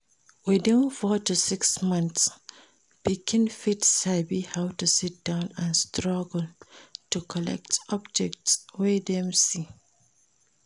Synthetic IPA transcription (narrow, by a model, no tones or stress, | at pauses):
widĩnfɔtːusɪksmʌ̃nθs | b̥ikʰĩnfitsabihaʊtusit̚d̥ãʊ̃nãnstɹaɡəl̩tukʰɔlɛ̰k̚tɔb̚d͡ʒɛk̚tswedɛ̃msi